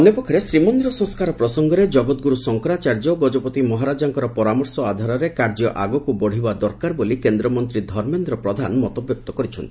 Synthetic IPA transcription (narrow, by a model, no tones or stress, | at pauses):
iɔnjɔpɔkʰɔɾesɾimɔnd̪iɾɔsɔ̃ŋskaɾɔpɾɔsɔŋɡɔɾed͡ʒɔɡɔt̪ɡuɾusɔŋkɔɾat͡ʃaɾd͡ʒɔɡɔd͡ʒɔpɔt̪imɔɦaɾad͡ʒaŋkɔɾɔpɔɾamɔɾsɔad̪ʱaɾɔɾekaɾd͡ʒɔʔaɡɔkubɔɽ̤ibad̪ɔɾkaɾbolikend̪ɾɔmɔnt̪ɾid̪ʱɔɾmend̪ɾɔpɾɔd̪ʱanmɔt̪ɔbjɔk̚t̪ɔkɔɾit͡ʃʰɔnt̪ii